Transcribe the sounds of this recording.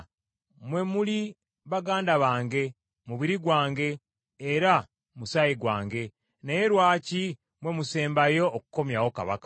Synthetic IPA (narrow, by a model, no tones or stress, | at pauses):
mwe̞muli | βaɡaːndaβaːŋɡe̞ | muβiɾiɡwaːŋɡe̞ː | ɾa | musajiɡwa̰ːŋɡe̞ | naje̞ɾwaːci | mwe̞muse̞ːmbajo̞ːkuko̞mjawo̞ka̰βa̰kḁ